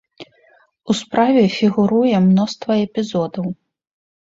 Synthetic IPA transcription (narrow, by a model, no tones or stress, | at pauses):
uspɾavʲɛfʲiɣuɾujɛmnɔst̪vɐɛpʲizɔd̪ɐw